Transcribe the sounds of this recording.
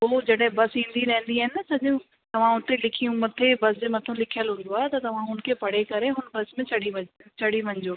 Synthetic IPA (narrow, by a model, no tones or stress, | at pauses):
ɦoːd͡ʑɐɗɦɪ̃bɐsĩːnd̪iɾɐɦɪ̃n̆d̪iaːɦɪnɪsɐʄũ | t̪ɐʋ̤ãʊt̪elɪkʰijũmɐt̪ʰebɐsd͡ʑɪmɐt̪ʰũlɪkʰijəlɦʊ̃nd̪oaːt̪ɐt̪ɐʋ̤ãɦʊnkʰeːpɐɽ̤ekɐɾeɦʊnbɐsmẽt͡ɕʰɐɽiʋɐt͡ɕʰɐɽiʋɐ̃ɲd͡ʑoː